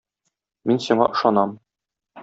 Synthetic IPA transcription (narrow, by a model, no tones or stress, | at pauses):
minsiɴɑ̰ʔɤ̆ʃɑnɑm